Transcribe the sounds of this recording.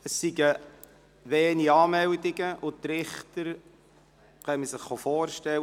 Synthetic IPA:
əsːiɡə | ʋeːniɑːmɛldiɡəʔʊt̪ɾɪχtəɾ | kœməsɪχːofɔːrʃtɛl

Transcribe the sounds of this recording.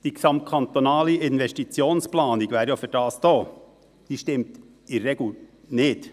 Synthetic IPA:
d̥iksɑmt̚kʰɑnt̪onɑːliʔɪnʋɛstit͡sjoːnsplɑːniɡʋæːɾjafyɾd̥ɑːsd̥oː | d̥iːʃtɪmt | ɪːɛɡ̩ | nɪːt

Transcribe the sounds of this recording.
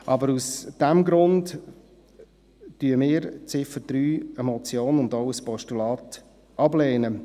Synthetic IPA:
ʔɑbəɾusd̥æmɡɾʊnd | tyəmɪːɾt͡sɪfəd̥ɾyːɛmɔt͡sjoːnʊndɔʊəspɔʃtulɑːt | ʔɑblɛːnə

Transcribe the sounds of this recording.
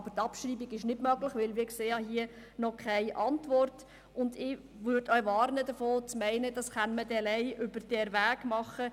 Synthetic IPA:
b̥ətɑpʃɾiːbiɡɪʃnɪdmœɡlɪχʋɪlʋɪːkseːjɑɦiə | nɔkʰæɪʔɑntʋɔrt | ʊndɪ | ʋʏɾdœʏʋɑːɾnədəfoːt͡smæɪnəd̥ɑsχɑnmədɛlæɪʔʏbəɾd̥ɛɾʋæːɡ̥mɑχə

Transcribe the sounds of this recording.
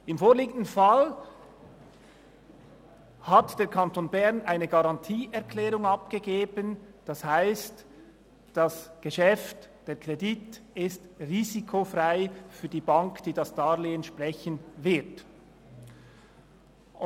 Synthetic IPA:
ɪmfoːʁliːɡən̩dn̩fal | hatd̥eːɐkʰɑntoːnbɛʁnaɪnəɡaʁɑntʰiːʔɛɐkʰlɛːʁʊŋɑpɡ̥əɡeːbənd̥ashaɪst | d̥asɡ̥əʃɛftd̥eːɐkʁ̥editɪstʁiːzikʰofʁaɪfyːɐdiːbɑŋkd̥iːdasd̥aːleːənʃpʁɛçənvɪɐt

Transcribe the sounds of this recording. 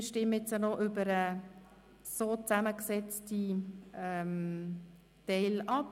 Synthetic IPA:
ʃtɪmːəjɛt͡sjənoʔʏbəɾə | soːt͡sæməksɛt͡stiɛm | tɛɪlɑp

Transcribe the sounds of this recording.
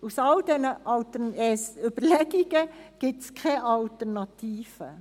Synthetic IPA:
usɑldɛnəʔɑltəɛsʏb̥əɾlɛɡ̥iɡ̥əɡ̥ɪtskʰɛʔɑltəɾnɑtiːfə̰

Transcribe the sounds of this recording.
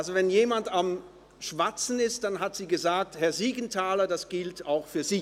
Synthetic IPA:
alzovɛnjeːmandam | ʃv̥at͡sn̩ɪst̚d̥anɦatz̥iːɡəzaːk̚thɛɐziːɡn̩tʰaːlɐdasɡ̥ɪltʰaʊxfyːɐziː

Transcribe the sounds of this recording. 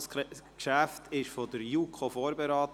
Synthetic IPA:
skʃæftʰɪʃfɔdəɾjuːkʰχofoːɾbɛɾɑːt

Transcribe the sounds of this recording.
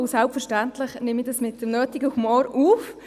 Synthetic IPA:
ʊsɛlpfəɾʃtæntlɪχnɪmidɑsmɪt̚d̥əmnøːtiɡəhumɔːɾuːf

